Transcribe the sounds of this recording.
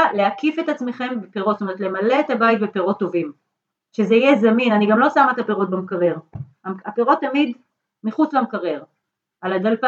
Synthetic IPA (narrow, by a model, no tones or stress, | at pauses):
leakifet̪at͡smeχe̞mbepeʁotstome̞et̪le̞male̞ːt̪abajit̪̚bepeʁo̞tːo̞vim | ʃezeijezaminaniɡamlo̞samat̪ape̞ʁo̞t̚bemkaʁeʁ | aapeʁo̞t̪ːamid̪ | miχut͡slamkaʁeʁ | alad̪alp